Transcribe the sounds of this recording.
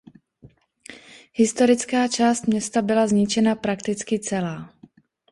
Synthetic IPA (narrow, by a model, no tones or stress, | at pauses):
hɪst̪o̞ɾɪt͡skaːt͡ʃaːst̪mɲɛst̪abɪlazɲɪt͡ʃɛnapɾakt̪ɪt͡skɪt͡sɛlaː